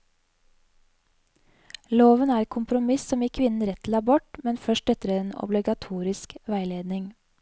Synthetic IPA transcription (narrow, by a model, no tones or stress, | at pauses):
loːʋənæːɾkʰʊmpɾʊmɪssɔmiːkʰʋɪnn̩ɾɛt̪ʰːl̩ɑːbɔʈmɛnfœʃʈɛt̪əɾeeːnɔ̰blɪɡɑt̪ʰuːɾɪskʋæɪleːd̪nɪŋ